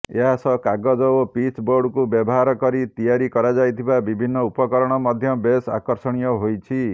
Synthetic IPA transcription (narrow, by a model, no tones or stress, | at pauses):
ḛɦasɔkaɡɔd͡ʒɔopit͡ʃboɾɖkubjɔbɔɦaɾɔkɔɾit̪ijaɾikɔɾad͡ʒajt̪ʰibabibʱinːɔupɔkɔɾɔɽ̃ɔmɔd̪ʱjɔbesa̰kɔɾsɔɽ̃ijɔɦojt͡ʃʰi